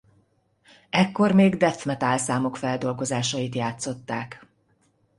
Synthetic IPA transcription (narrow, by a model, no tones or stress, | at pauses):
ɛkːo̞rmeːɡd̪ɛt̪mɛt̪aːlsaːmo̞kfɛld̪o̞lɡo̞zaːʃɒjit̪jaːt̪so̞t̪ːaːk